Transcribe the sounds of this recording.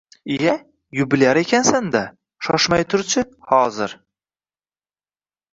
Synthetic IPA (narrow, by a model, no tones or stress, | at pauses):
ɪja | jʊbɪlaɾe̞kʲʰansand̪a | ʃɒʃmajt̪ʰʊɾt͡ʃʰɪhɒzɪɾ